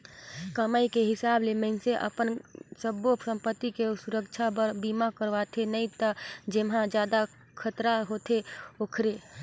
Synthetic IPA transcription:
kəmaːikeɦɪsaːbleməɪnseʔə̰pənsəbosə̃mpət̪ːikesʊɾəkt͡ʃʰapəɾbiːmakəɾʋat̪ʰenəĩt̪əd͡ʒemɦãd͡ʒjaːd̪a | kʰət̪ɾaɦoːt̪ʰeoːkʰɾe

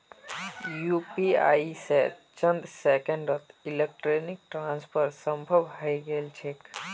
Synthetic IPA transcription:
juːpia̰ːise | t͡ʃə̃nd̪seːkə̃ɳɖɾət̪ɪlek̚ʈɾoːnɪk̚ʈɾãːnspʰəɾsə̃mbʱəʋhajɡeːlt͡ʃʰeːk

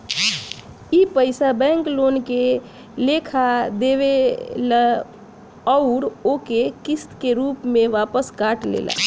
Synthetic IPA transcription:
ipəɪsabɛ̃ŋkloːnke | lekʰad̪eʋel | əʊɾokekist̪keɾuːpmẽʋapəskaʈlḛlʔa̰

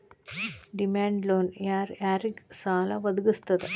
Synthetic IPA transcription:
ɖimaːɳɖloːnjaːrjaːriɡsaːlɐʋɐd̪uɣust̪ɐðɨ

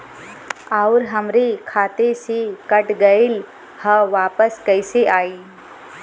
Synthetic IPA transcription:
aʊɾɦɐmɾekʰaːt̪esekəʈɡəɪl | həʋaːpəskəɪseʔaːiː

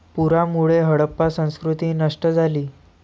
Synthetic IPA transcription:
puɾamuɭeɦəɽəpːasə̃w̃skɾut̪iːnəʂʈəd͡zʱaliː

